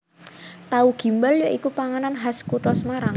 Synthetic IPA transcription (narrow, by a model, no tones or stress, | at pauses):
t̪auɡ̥i̤mbaljɔʔikupaŋananɦaskuʈɔsmaɾaŋ